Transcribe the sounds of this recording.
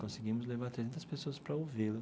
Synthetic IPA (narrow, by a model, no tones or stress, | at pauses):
kõsɪɡĩmʊzlevaɾt̪ɾezẽnt̪ɐspesoɐspɾɐowvilɐ